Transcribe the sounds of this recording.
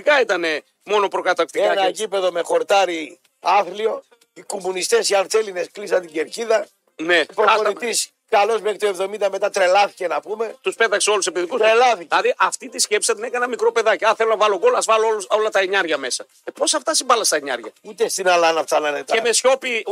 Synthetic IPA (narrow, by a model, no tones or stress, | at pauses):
ikɐit̪ɐne̞ | mo̞no̞pɾo̞kɐt̪ɐk̚t̪ikeɐnɐeɟipe̞ðo̞me̞xo̞ɾt̪ɐɾi | ɐθlio̞ | ikomunist̪e̞siɐlt̪t͡seline̞sklisɐnt̪iɟeɾciðɐ | ne̞pɾoɐonit̪is | kɐlo̞zmekt̪oevðo̞mind̪ɐme̞t̪ɐt̪ɾe̞lɐθice̞nɐpume̞t̪uspe̞t̪ɐkseo̞luse̞piðikusɾelɐθiɐðiʔɐft̪it̪isce̞psi̥sɐt̪ine̞kɐnɐmikɾo̞pe̞ðɐciɐθelo̞nɐvɐloɡo̞lɐzvɐloo̞lɐt̪ɐeɲɐɾʝɐme̞sɐ | epo̞sɐft̪ɐsimbɐlɐst̪ɐeɲɐ̰ɾʝɐut̪est̪inɐlɐnɐpsɐnɐnet̪ɐeme̞sço̞pi